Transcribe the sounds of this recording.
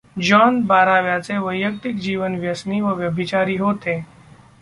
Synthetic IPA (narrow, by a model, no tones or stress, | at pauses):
d͡ʒɔːnbaːɾaːʋjat͡seʋəjːək̚t̪ɪk̚d͡ʒiːʋənʋjəsniʋəʋjəbʱit͡ʃaːɾiːɦoːt̪eː